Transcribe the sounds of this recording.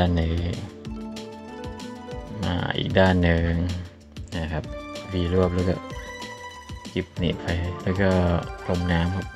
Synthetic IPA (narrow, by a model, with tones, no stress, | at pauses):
nːɯ˨˦ | ma̰ː˧ʔḭː˨˩k̚daː˥˩nːɯ˧ŋ | na˧˩kʰa˦˥p̚wiː˧lu˥˩əp̚lɛː˦˥wkɔ̰ː˥˩ | ki˨˩p̚nḭ˨˩pʰa˧jlɛː˦˥wkɔː˥˩lʰo˧mnaː˦˥mkʰa˦˥p̚